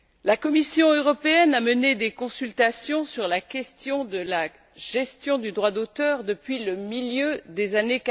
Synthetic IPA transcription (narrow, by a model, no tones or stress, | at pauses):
lakɔmisjɔ̃øʁɔpeɛnaməned̪ekɔ̃sylt̪asjɔ̃syʁlakʲɛst̪jɔ̃d̪əla | ʒ̥ɛst̪jɔ̃d̪yd̪ʁwad̪ot̪œːʁd̪əpɥiləmiljød̪ezanek